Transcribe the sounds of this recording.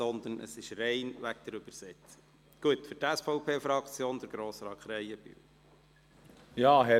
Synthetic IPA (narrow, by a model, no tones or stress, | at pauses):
sɔnd̪ənʔə̰sɪʃrɛɪnʋæk̚d̪əɾʉb̥əɾsɛt͡sə̥ | ɡ̥uət̪fʏɾtæsfɔʊpʰeːfɾɑkt͡sjoːnd̪əɾɡ̥ɾoːsɾɑːkχɾɛjəb̥y̰w | jɑːɦɛ